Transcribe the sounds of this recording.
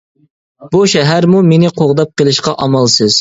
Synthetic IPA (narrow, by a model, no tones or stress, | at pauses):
buʃɛɦæɾmumenɪqʰoʁd̪ɑp̚qʰəlˠɨʃqɑʔɑmɑlˠsɨz̥